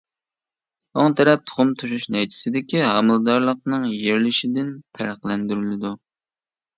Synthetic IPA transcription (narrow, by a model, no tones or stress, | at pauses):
oŋt̪ʰɛɾɛp̚t̪ʰʊ̥χʊmt̪ʰuʃuʃnɛjt͡ʃ̪ʰɪ̥sɪd̪ɪkʲiɦɑmɨlˠɨd̪ɑɾlˠəq̚nɨŋjeɾlɪʃid̪ɪnpʰæɾæqlˠɛnd̪yɾylɪd̪u